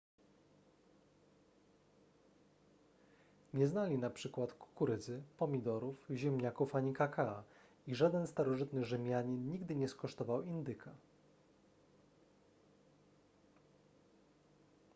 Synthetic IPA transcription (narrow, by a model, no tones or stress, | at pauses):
ɲɛznalʲinapʂɘkwat̪ku̥kuɾɘd̪zɘpɔmʲid̪ɔɾufʑɛmɲakufaɲikakaa | iʐad̪ɛnst̪aɾɔʐɘt̪nɘʐɘmʲjaɲinɲiɡd̪ɘɲɛskɔʂt̪ɔvawind̪ɘkʰa